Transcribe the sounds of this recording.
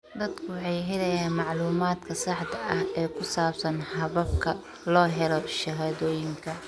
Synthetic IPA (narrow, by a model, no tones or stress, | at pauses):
d̪ɐd̪kʰʊwħɑjɦɛlɐjaːnmɑʕluːmaːd̪kʰɐsɑħd̪ɐʔɐhɛːkʰʊsaːbsɐnhɐβɐb̚kʰɐ | lɔːɦɛlɔʃɐɦaːðɔːjɪŋkʰɐ